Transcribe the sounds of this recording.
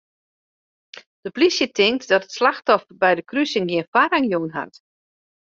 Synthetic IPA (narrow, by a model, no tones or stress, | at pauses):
d̥əplisjətʰɪŋktdɔtətslaxtɔfbɛjdəkrysəŋɡiənfwaɾaŋjonɦa̰t